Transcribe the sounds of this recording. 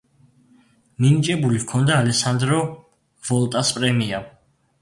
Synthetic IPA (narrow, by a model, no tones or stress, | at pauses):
ninit͡ʃʼɛbulikʰɔnd̪aːlɛsand̪ɾɔ | vɔlt̪ʼaspʼɾɛmia